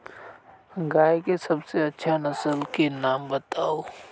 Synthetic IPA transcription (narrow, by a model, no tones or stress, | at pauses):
ɡaːjkesɐbseɐtːʃʰanɐsəlkenaːmbət̪aːoː